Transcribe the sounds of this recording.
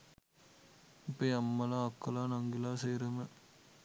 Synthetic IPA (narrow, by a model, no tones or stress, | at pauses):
ɪpːɐjɐmːɐlãːɐkːɐlaːnɐŋɡilaːsejɾɐmɐ